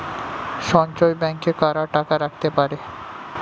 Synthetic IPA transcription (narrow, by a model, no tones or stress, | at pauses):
ʃɔnt͡ɕojbɛŋkekaɾaʈakaɾak̚t̪epaɾe